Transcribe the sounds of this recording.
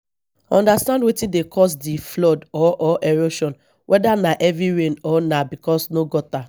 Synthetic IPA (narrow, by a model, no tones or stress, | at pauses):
ɔ̃ndastãndwetĩdekʰɔs̬diflɔdɔʔɔʔɛɹoʃɔ̃n | wʔɛdanaʔɛvɹiɹẽnɔnabikɔsnoɡɔta